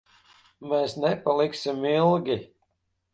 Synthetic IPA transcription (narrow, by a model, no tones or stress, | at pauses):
meːsnɛpalˠiksimilˠɡʲi